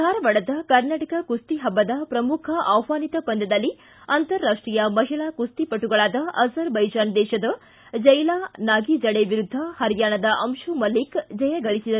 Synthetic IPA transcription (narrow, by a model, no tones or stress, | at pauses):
aːɾɐʋɐɽɐd̪ɐkɐɾnaːʈɐkɐkust̪iɦɐbːɐd̪ɐpɾɐmukʰɐʔɐwʋaːnit̪ɐpɐnd̪ɐd̪ɐlːi | ɐnt̪ɐɾːaːʂʈɾijɐmɐɦiɭaːkust̪ipɐʈːuɡɐɭaːd̪ɐʔɐzɐɾbɐjd͡ʒaːnd̪ɛːʃɐd̪ɐ | d͡ʒɐjlaːnaːɡid͡ʒɐɽeʋiɾud̪ʱːɐhɐɾjaːɳɐd̪ɐʔɐmʃumɐlikd͡ʒɐjɐɡɐɭisid̪ɐ